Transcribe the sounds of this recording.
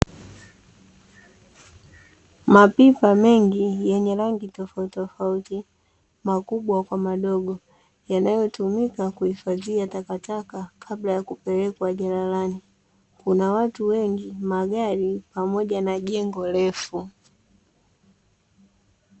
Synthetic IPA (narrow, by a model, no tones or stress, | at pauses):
mapipamɛŋɡijɛɲɛlaŋɡitɔfautɔfauti | makuɓwakwamaɗɔɡɔ | janajɔtumikakuhifaziatakatakakʰablajakupɛlɛkwaʄalalani | kunawatuwɛŋɡimaɡaɾipamɔʄanaʄɛŋɡɔlɛfu